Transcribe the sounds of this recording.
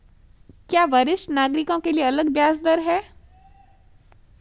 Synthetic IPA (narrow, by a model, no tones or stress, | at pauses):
kjaːʋəɾɪsʈnaːɡɾɪkõkelieɐləɡʋjaːsd̪əɾɦɛː